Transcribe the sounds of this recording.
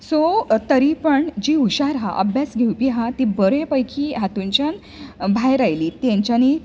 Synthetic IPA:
sot̪əɾipəɳd͡ʑiuɕaɾɦa̰ʔəbjasɡʱewpiɦat̪ibəɾẽpəjkʰiːɦat̪uɲt͡ɕjan | bʱajɾajliːt̪jãɲt͡ɕjani

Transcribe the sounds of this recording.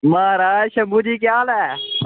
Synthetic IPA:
maːɾaːʃəmuːd͡ʒiːk̬jaːlɛː

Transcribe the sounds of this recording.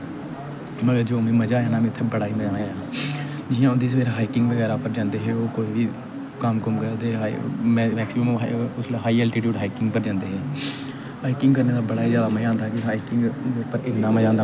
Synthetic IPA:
məɡəɾd͡ʒoːmẽːməd͡ʒãːaːnãːmẽːt̪ʰːẽːbəɽaːiməd͡ʒãːneãː | d͡ʒɪjãːʊnd̪iːs̬ʋeːɾɦaːiːkɪŋɡʋəɡɛːɾaːpəɾd͡ʒãːnd̪eːɦeːoːkoːiːʋiː | kəmkəmkəɾt̪eː | mɛːksiməmʊslɦaːiːɛːlʈiːʈjuːɖɦaːiːkɪŋɡpəɾd͡ʒãːnd̪eːɦeː | haːiːkɪ̃ŋɡkəɾneːd̪aːbəɽaːiːzjaːd̪aːməd͡ʒãːnd̪aːkɪɦaːiːkɪŋɡpəɾɪnːãːməd͡ʒãːnd̪a

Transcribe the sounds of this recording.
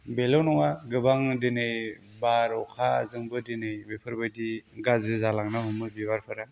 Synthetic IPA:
belownɔŋaɡɯbaŋdenɯj | baɾɔkʰazɯŋbɯdinɯjbepʰɯɾbɯjdiɡazɯzalaŋnahumɯbibaɾpʰɯɾa

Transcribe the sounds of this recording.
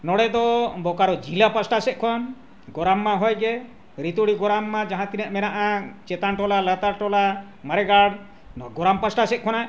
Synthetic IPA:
nɔɽɛd̪ɔbɔkaɾɔd͡ʒilapasʈasɛʔ̪̚kʰɔn | ɡɔɾamːaɦɔjɡɛ | ɾit̪uɽiɡɔɾamːad͡ʒaɦãt̪inɛʔmɛnaʔat͡ʃɛt̪anʈɔlalat̪aɾʈɔla | maɾɛɡaɽ | ɡɔɾampasʈasɛʔ̪̚kʰɔna

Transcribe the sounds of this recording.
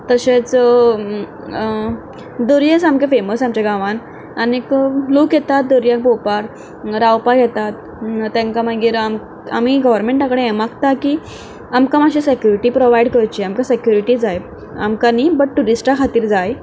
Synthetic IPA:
t̪əɕet͡s | d̪uɾjet͡samkefeməsamt͡ɕeɡaʋãn | aniklokjɛt̪at̪̚d̪oɾjãk̚bowpaɾ | ɾawpaɡʱɛt̪at̪ | t̪ːãŋkamaɡiːɾam | a̰miɡəʋəɾmẽɳʈjakəɽeemakt̪akiː | amkamaɕesekjuɾiʈipɾoʋajɖkəɾt͡ɕiamkasekjuɾiʈid͡zaj | a̰mkanibəʈ̚ʈːuɾisʈakʰat̪iːɾd͡zaj

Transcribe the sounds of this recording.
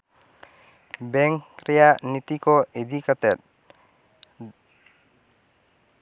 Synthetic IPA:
bɛŋkɾijanit̪ikoed̪ikat̪ɛt̪̚

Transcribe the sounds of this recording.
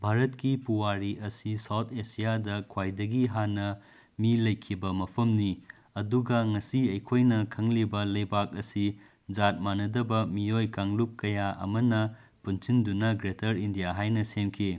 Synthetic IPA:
bʱaɾɐtkipuwaɾiɐsisawt̪ʰesijadɐkʰwajdɐɡiɦanːɐ | milɐjkʰːibɐmɐpʰɐmni | ɐduɡɐŋɐsiɐjkʰojnɐkʰɐŋlibɐlɐjbak̚ɐsi | d͡ʒat̚manɐdɐbɐmiojkaŋlup̚kɐjaɐ̰mɐnɐ | punsindunɐɡɾetʰɐɾindijaɦajnɐsemkʰi

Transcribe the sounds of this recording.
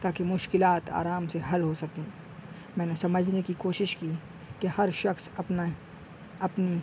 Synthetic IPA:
t̪aːkemʊʃkɪlaːt̪a̰ːɾaːmseɦɐlɦosɐkẽː | mɛ̃ːnesɐməd͡ʒʱnekikoːʃɪʃki | kehɐɾʃɐxs | ɐpni

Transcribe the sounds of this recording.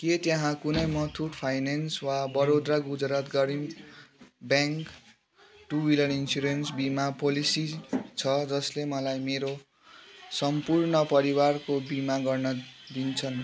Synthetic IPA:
ket̪jãɦãkunʌjmʌt̪ʰuʈpʰajnenswabʌɾod̪raɡud͡zɾat̪ɡʌɾim | bjãŋk | ʈuwiljʌninsuɾensbimapolisit͡sʰʌd͡zʌslemʌlajmeɾo | sʌmpurnʌpʌɾiwarkobimaɡʌrnʌd̪int͡sʰʌn

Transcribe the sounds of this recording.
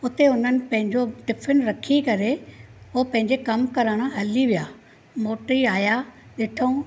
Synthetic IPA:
ʊt̪eʊn̤ənɪ̆pɐ̃ɦɪ̃ɲd͡ʑoɖɪfʰɪnɾɐkʰikɐɾeopɐ̃ɦɪ̃ɲd͡ʑekɐmkɐɾəɽ̃əɦɐliʋijaː | moːʈɾiaːja | ɗeːʈʰəũ

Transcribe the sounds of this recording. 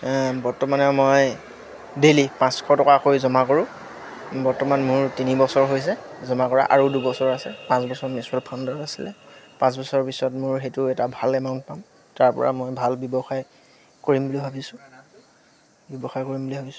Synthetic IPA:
bɔɹtɔmanɛmoj | delipãskʰɔtɔkakojzɔmakoɹʊ̃ | bɔɹtɔmanmʊɹtinibɔsɔɹɦojs̬ɛzɔmakɔɹa̰ʔa̰ɹodubɔsɔɹasɛpãsbɔsɔɹmisalpʰɔndɔasilɛpãs̬bɔsɔɹpisɔtmʊɹxetʊɛtabʱalɛmaʊ̃ntpam | taɹpɔ̰ɹʔa̰mojbʱalbjɔbɔxaj | koɹimbulibʱabisʊ̃ | bjɔbɔxajkoɹimbulibʱabisʊ

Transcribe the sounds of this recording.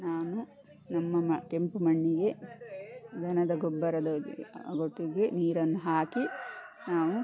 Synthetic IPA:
naːnu | nɐmːɐmɐkempumɐɳːiɡe̞ | d̪ʱɐnɐd̪ɐɡobːɐɾɐd̪ɐɡoʈːiɡeniːɾɐnːuɦaːkinaːʋu

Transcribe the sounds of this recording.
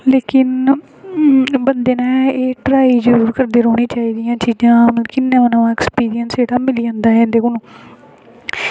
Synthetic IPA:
leːkɪn | bənd̪eːnaːeːʈɾaːiːd͡ʒəɾuːɾkəɾd̪eːɾoːɽĩːt͡ʃaːiːd̪ɪjãːt͡ʃiːd͡ʒãːʊñːkɪnːẽːənãːãːɛkspiːɾɪjənseːɽaːmɪliːãːnd̪aːɦɛ̃ːnd̪eːkʊnũː

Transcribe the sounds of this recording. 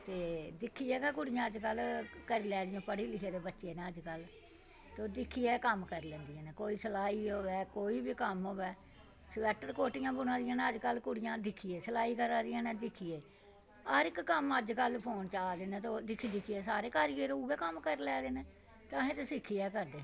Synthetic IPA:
t̪eːd̪ɪkʰːiːɛːkɛːkʊɽɪjãːəd͡ʒkəlkəɾiːlɛːd̪ɪjãːpəɽiːlɪkʰeːd̪eːbətːʃeːnẽːəd͡ʒkəl | t̪oːd̪ɪkʰːijɛːkəmkəɾlɛ̃ːnd̪ɪjãːnɛːkoːiːsəlaːiːɦoːʋɛːkoːiːbiːkəmɦoːʋɛː | sʋɛːʈəɾkoːʈɪjãːbʊnãːd̪ɪjãːneːəd͡ʒkəlkʊɽɪjãːd̪ɪkʰːijeːsəlaːiːkəɾaːd̪ɪjãːnɛ̃ːd̪ɪkʰːijeː | əɾɪkːəməd͡ʒkəlpʰoːnt͡ʃaːd̪eːnẽːt̪oːd̪ɪkʰid̪ɪkʰːijeːsaːɾeːkaːɾijeːɾouːɡɛːkəmkəɾlɛːd̪eːneː | t̪ãːɦẽːt̪eːsɪkʰːijɛːkəɾd̪eː

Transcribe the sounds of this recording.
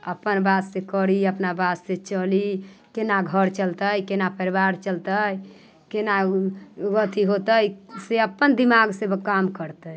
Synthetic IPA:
əpənbadsekəɾiəpnabasset͡ʃəlikenaɡʱəɾt͡ʃəlt̪əjkenapəɾibaɾt͡ʃəlt̪əj | kena | ɡət̪ʰiɦot̪əjseəpːənd̪imaɡsebkamkəɾt̪əj

